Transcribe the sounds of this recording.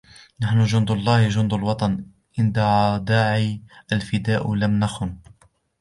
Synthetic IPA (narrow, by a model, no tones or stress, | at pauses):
naħnʊʒʊnd̪ɑlˤːɑːhʒʊnd̪ʊlwɑt̪ˤɑn | ʔɪnd̪aʕad̪aːʕiʔəlfɪd̪aːʔlamnaxʊn